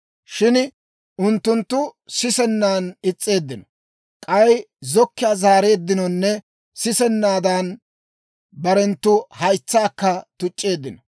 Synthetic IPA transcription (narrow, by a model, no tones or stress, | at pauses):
ʃɪn | ʔʊnt̪ːʊnt̪ːʊsɪsɛnːaːnɪt͡sʼːe̞ːd̪ːɪnɔ̥ | kʼɐjzɔkːɪjaːzaːɾe̞ːd̪ːɪnɔnːɛ | sɪsɛnːaːd̪ɐn | bɐɾɛnt̪ːʊhɐjt͡sːaːkːɐt̪ʊt͡ʃʼːe̞ːd̪ːɪnɔ